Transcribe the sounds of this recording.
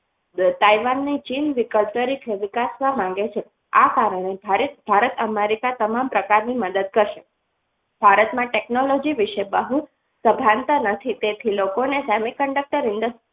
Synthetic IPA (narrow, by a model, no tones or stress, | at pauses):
t̪aiʋanːit͡ʃinʋikəlt̪əɾikʰeʋɪkasʋamãŋɡet͡ʃʰe | akaɾəɽ̃ebʱaɾebʱaɾət̪əmeɾikat̪əmampɾəkaɾniməd̪əd̪̚kəɾʃe | b̥ʱaɾət̪mãʈeknolɔd͡ʒiʋiʃebəɦu | səbʱant̪ənət̪ʰit̪et̪ʰilokonesɛmikəɳɖək̚ʈəɾɪnd̪əs